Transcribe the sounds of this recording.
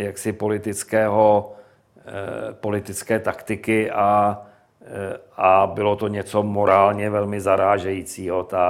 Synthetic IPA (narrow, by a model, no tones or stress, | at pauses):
jaksɪpo̞lɪt̪ɪt͡skɛːɦo | po̞lɪt̪ɪt͡skɛːt̪akt̪ɪkɪʔa | abɪlo̞t̪o̞ɲɛt͡so̞mo̞ɾaːlɲɛvɛlmɪzaɾaːʒɛjiːt͡siːɦo̞t̪a